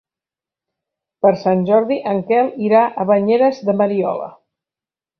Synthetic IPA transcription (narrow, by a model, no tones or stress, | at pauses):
pəɾsanʲʒɔɾðiʔəŋkɛlˠiɾaʔəβəɲeɾəzðəməɾiɔ̰lə̰